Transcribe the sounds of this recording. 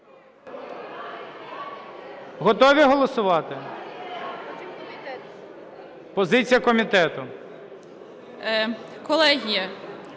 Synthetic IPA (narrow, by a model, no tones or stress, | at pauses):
ɦɔt̪ɔʋʲiɦɔlˠɔsʊʋɑt̪ɪ | pɔzɪt͡sʲijɐkɔmʲit̪ɛt̪ʊ | kɔlˠɛɦʲijɐ